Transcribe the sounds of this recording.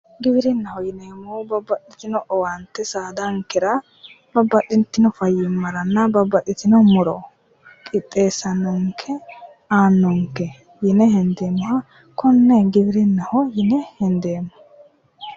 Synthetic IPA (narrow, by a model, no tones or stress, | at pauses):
ɡɪbɪɾɪnːɐhɔjɪneːmːoːbɐbɐtɪt̪ɪnɔʔɔwɐnt̪ːɛsaːd̪ɐŋkːɛɾɐ | bɐbːɐtːɪnt̪ːɪnɔfɐjɪmːɐɾɐnːɐbɐbːɐt̪ːɪt̪ɪnɔmɔɾɔ | kʼɪt̪ʼːe̞ːsɐnɔŋkʰɛ | aːnːɔŋkːɛ | jɪnɛhɛnd̪eːmːʊhɐ | kɔnːɛɡɪbɪɾɪnːɐhɔjɪnɛhɛnd̪e̞ːmːɔ̥